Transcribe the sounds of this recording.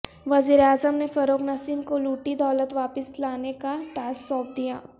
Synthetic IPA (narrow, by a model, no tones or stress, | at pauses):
ʋɐziːɾeaːzəmnefɐɾoːknɐsiːmkoluːʈid̪aːlət̪ʋaːpəslaːnekaʈaːsɔːp̚d̪ija̰ː